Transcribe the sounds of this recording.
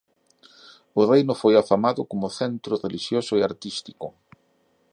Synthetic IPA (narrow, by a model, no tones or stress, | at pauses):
ʊrejnʊfojafamaðʊkomʊθɛnt̪ɾʊreliʃjosʊeaɾt̪ist̪i̥kʊ